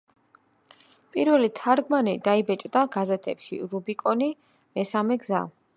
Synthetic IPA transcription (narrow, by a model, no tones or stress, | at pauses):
pʼiɾvɛlit̪ʰaɾɡmanɛd̪aibɛt͡ʃʼd̪aɡazɛt̪ʰɛpʃḭɾubikʼɔni | mɛsamɛɡza̰